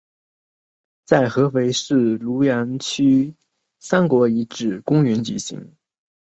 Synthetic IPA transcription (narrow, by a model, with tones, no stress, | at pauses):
t͡sa˥˩ɪxɤ˧˥fe˧˥ɪʂɻ̩˥˩lu˧˥ja˧˥nt͡ɕʰy˥ | sa˥nkwɔ˧˥i˧˥ʈ͡ʂɻ̩˨˩kʊ˥ŋɥɛ˧˥nt͡ɕi˧˩ɕḭ˧˥˦ŋ